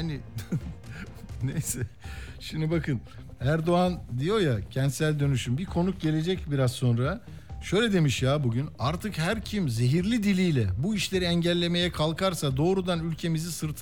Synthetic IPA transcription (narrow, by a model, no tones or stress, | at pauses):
anɪ | nejsɛʃimd̪ibakʰɯn | æɾd̪o̞and̪ijo̞jacʰɛnt̪sælʲd̪ø̞nyʃymbikʰo̞nuk̚ɟe̞lʲe̞d͡ʒɛcbiɾazso̞nɾa | ʃø̞jlʲɛd̪e̞miʃjaːbuɟynaɾt̪ʰɯkhæɾcʰimze̞ɦiɾlʲid̪ilʲijlʲɛbuiʃlʲe̞ɾiɛɲɟɛlʲːe̞me̞jɛkʰalˠkʰaɾsad̪o̞ːɾud̪anylʲcʰe̞mizisɯɾt̪ʰ